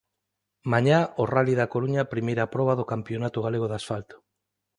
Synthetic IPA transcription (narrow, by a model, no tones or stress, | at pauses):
maɲaoraliðakoɾuɲapɾimejɾapɾɔβ̞aðokampjonat̪ʊɣaleɣoðasfalt̪o̥